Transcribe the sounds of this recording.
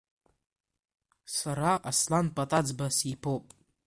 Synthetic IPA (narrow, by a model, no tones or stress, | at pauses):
saɾaʔaslanpʼatʼad͡zbasipʰowpʼ